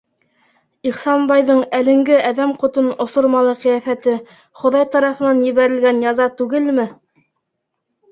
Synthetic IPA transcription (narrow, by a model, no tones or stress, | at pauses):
iχsɑnbɑjðɤɴælɘ̆ŋɡɘʔæðæmqŏt̪onŏsŏɾmɑlˠɤqɤ̆jæfæt̪ɘ | χŏðɑjt̪ɑɾɑfɤ̆nɑnjɘ̆βæɾɘ̆lɡænjɑzɑt̪ʉɡɘlmɘ